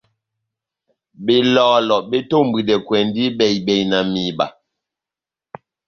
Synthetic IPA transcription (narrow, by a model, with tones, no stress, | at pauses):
be˨lɔː˨lɔ˨ʔbe˦to˦m̩˨bi˨dɛ˨kwɛ˨n˦di˦bɛ˨jbɛ˨jna˨mi˨ba̰˨